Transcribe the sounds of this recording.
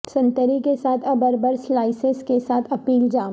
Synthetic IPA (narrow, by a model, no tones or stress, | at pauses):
sɐ̃nt̪əɾikesaːt̪ʰɐbəɾbəɾslaːɪseskesaːt̪ʰɐpiːld͡ʒaː